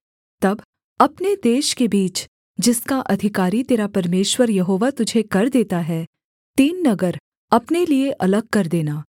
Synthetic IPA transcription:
t̪ɐb | ɐpned̪eːʃkebiːt͡ʃ | d͡ʒɪskaʔɐd̪ʱɪkaːɾit̪eːɾapɐɾmeːʃwəɾjɐɦoːʋat̪ʊd͡ʒʱekɐɾd̪eːt̪aɦɛː | t̪iːnːɐɡəɾ | ɐpnelieʔɐləɡ̚kɐɾd̪eːnaː

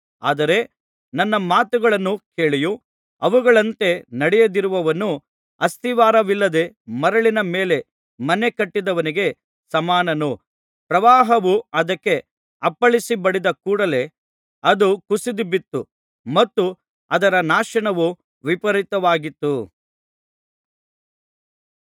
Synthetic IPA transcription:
a̰ːd̪ɐɾe̞ | nɐnːɐmaːt̪uɡɐɭɐnːuke̞ːɭiju | ɐʋuɡɐɭɐnt̪e̞nɐɽɛjɐd̪iɾuʋɐʋɐnːu | ɐst̪iʋaːɾɐʋilːɐd̪e̞mɐɾɐɭinɐmeːle̞ | mɐne̞kɐʈːid̪ɐʋɐniɡe̞ | sɐmaːnɐnu | pɾɐʋaːɦɐʋuɐd̪ɐkːe̞ | ɐpːɐɭisibɐɽid̪ɐkuːɽɐle̞ | ɐd̪ukusid̪ibit̪ːu | mɐt̪ːu | ɐd̪ɐɾɐnaːʃɐɳɐʋu | ʋipɐɾit̪ɐʋaːɡit̪ːu

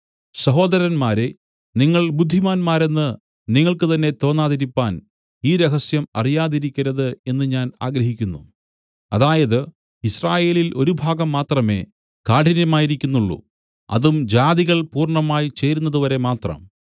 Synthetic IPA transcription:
sɐɦo̞ːd̪ɐɾɐnmaːɾe | niŋːɐɭbud̪ʱːimaːnmaːɾe̞nːɨ | niŋːɐɭkɨt̪ɐnːe̞t̪o̞ːnːaːðɐɾipːaːn | iːɾeɦɐsjɐmɐ̰rijaːðiɾikʲːɐɾɐðɨe̞nːɨɲaːna̰ːɡɾɐɦikʲːunːu | ɐðaːjɐðɨ | israːje̞ːlilʔo̞ɾubʱaːɡɐmːaːt̪rɐme̞̰ː | kaːʈʰinjɐmaːjiɾikʲːunːuɭːṵ | ɐ̰ðumd͡ʑaːðiɣɐɭpuːrɳɐmaːjit͡ɕe̞ːɾunːɐðuʋɐɾe̞maːt̪rɐ̰m

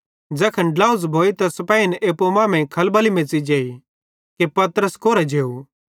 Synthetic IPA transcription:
d͡ʒɛːkʰənɖlaːuzbʱoːit̪ɐsɐpɛːinʔeːpomãːmẽkʰɐlbɐlimẽːt͡sid͡ʒeːi | kepɐt̪ɾəskoːɾɛd͡ʒeːu

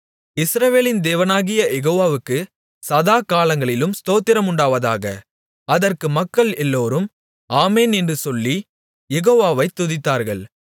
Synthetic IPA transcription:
ɪsɾɐʋeːlɪnd̪eːʋɐnaːɣɪjɐjɛɣoːʋaːʋɯkːɯ | sɐðaːkaːlɐŋɡɐɭɪlɯmst̪oːt̪ːɪɾɐmʊɳɖaːʋɐða̰ːɣɐ̰ | ɐðɐrkɯmɐkːɐɭɛlːoːɾɯm | aːmeːnɛndrɯsɔlːi | jɛɣoːʋaːʋɐɪt̪ːʊðɪt̪ːaːɾɣɐɭ

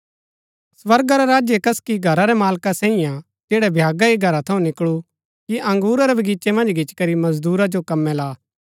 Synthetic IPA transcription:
swɐɾɡaɾɛɾaːd͡ʒjekɐskiɡʱɐɾaɾɛmaːlkasɛ̃ːijã | d͡ʒeːɽɛbʱjaːɡaiɡʱɐɾat̪ʰɐũnɪkɭu | kiʔɐ̃ŋɡuːɾaɾɛbʱɐɡiːt͡ʃemɐ̃nd͡ʒɡʱɪt͡ʃkɐɾimɐzd̪uːɾad͡ʒokɐmːɛlaː

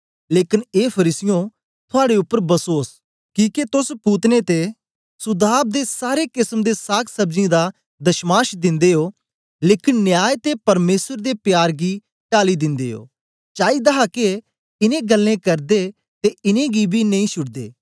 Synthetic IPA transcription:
leːkɪneːpʰɐɾiːsɪjõ | t̪ʰʊaːɽeʊpːəɾbɐsoːs | kĩːket̪ʊspuːt̪net̪e | sʊd̪aːb̚d̪esaːɾekɪsmd̪esaːksɐbd͡ʒĩd̪a | d̪ɐʃmaːʃd̪ɪ̃nd̪eɦoː | leːkɪnːjaːjt̪epɐɾmeːsəɾd̪epjaːɾɡi | ʈaːlid̪ɪ̃nd̪eːɦo̰ː | t͡ʃaːid̪ɐɦake | ɪnẽɡɐlːẽkɐɾd̪e | t̪eɪnẽɡibʱinɐ̃ĩʃʊɽd̪ḛː

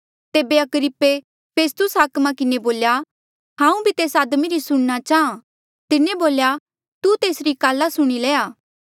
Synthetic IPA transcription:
t̪eːbeɐkɾɪpːe | pʰeːst̪ʊsɦaːkmãkɪneboːlja | ɦãːũbʱit̪eːsaːd̪miɾisʊɽ̃nat͡ʃaːã | t̪ɪnẽboːlja | t̪ut̪eːsɾikaːlːasʊɽ̃ileːaː

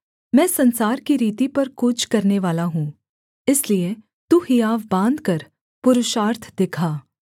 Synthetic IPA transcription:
mɛ̃ːsɐ̃nsaːɾkiɾiːt̪ipɐɾkʊt͡ʃʰkɐɾneʋaːlaɦũː | ɪslie | t̪uhiaːʋbãːnd̪kɐɾ | pʊɾʊʃaːɾt̪ʰd̪ɪkʰaː

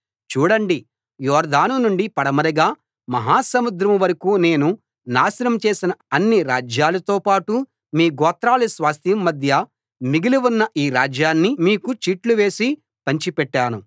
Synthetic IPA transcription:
t͡ʃuːɽɐɳɖi | jɔːɾd̪aːnunuɳɖipɐɽɐmɐɾɐɡaː | mɐɦaːsɐmud̪ɾɐmʋɐɾɐkuːne̞ːnu | naːsɐɾɐmt͡ʃe̞ːsinɐɐnːiɾaːd͡ʒjaːlɐt̪oːpaːʈu | miːɡɔːt̪ɾaːlisʋaːst̪ʰjɐmːɐd̪ʱjɐ | miɡiliʋunːɐʔiːɾaːd͡ʒjaːnːimiːkut͡ʃiːʈluʋe̞ːsi | pɐɲt͡ʃipɛʈːaːnu

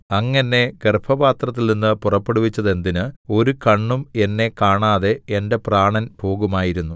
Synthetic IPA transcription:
ɐŋːɐnːe̞ɡerpʰɐbaːt̪rɐt̪ːilninːɨpurɐpːeɽuʋit͡ɕːɐðe̞nd̪inɨo̞ɾukɐɳːume̞nːe̞kaːɳaːðe̞ende̞praːɳɐnpʰo̞ːɣumaːjiɾunːu

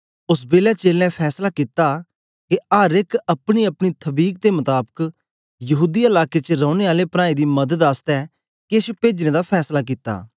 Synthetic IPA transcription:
ʊsbeːlat͡ʃeːlɛ̃pʰɛːslakit̪a | keaːɾɪkɐpɽ̃iɐpɽ̃it̪ʰɐbiːk̚d̪emʊt̪aːbək | jɐɦuːd̪iəlaːket͡ʃəɾɔ̃ːʊñeaːlepɾãːid̪iːmɐd̪əd̪aːst̪ɛː | kispeːd͡ʒneːd̪apʰɛːslak̬it̪a̰ː

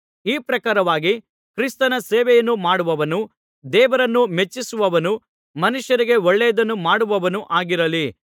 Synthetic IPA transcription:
iːpɾɐkaːɾɐʋaːɡi | kɾist̪ɐnɐseːʋɛjɐnːumaːɽuʋɐʋɐnu | d̪ɛːʋɐɾɐnːume̞t͡ʃːisuʋɐʋɐnu | mɐnuʃjɐɾiɡe̞ɔɭːɛjɐd̪ɐnːumaːɽuʋɐʋɐnuʔaːɡiɾɐli

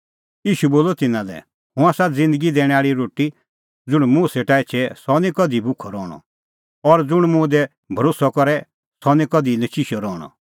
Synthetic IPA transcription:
iːʃuboːlɔt̪ɪnãlɛ̰ | hʊ̃aːsad͡zɪ̃nd̪əɡid̪ɛːɽ̃ɛ̃aːɭiɾoːʈi | d͡zʊɽ̃mũːsɛʈait͡ʃʰɛsɔnĩkɔd̪ʱibʊkʰɔɾɔːɽ̃ɔ̰ | ɔɾd͡zʊɽ̃mʊ̃d̪ɛ | bʱɐɾoːsɔkɔɾɛ | sɔnĩkɔd̪inɐʃiʃɔɾɔːɽ̃ɔ̰

